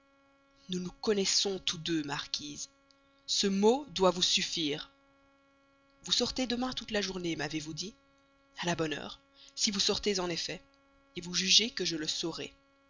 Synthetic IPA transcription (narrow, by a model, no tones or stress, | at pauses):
nunukɔnɛsɔ̃t̪ud̪ømaʁkʲiːz | səmod̪wavusyfiːʁ | vusɔʁt̪ed̪əmɛ̃t̪ut̪laʒuʁnemavevud̪i | alabɔnœ̰ːʁ | sivusɔʁt̪ezɑ̃nefɛ | evuʒyʒekəʒələsɔʁɛ̰